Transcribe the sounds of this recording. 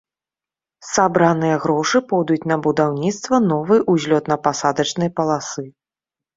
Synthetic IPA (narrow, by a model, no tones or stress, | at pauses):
sabɾanɨjɐɣɾɔʂɨpɔd̪ut͡sʲnɐbud̪awnʲit̪st̪vɐnɔvɨjʔuzʲlʲɔt̪nɐpasad̪ɐt͡ʂnɨjɐpɐlˠasɨ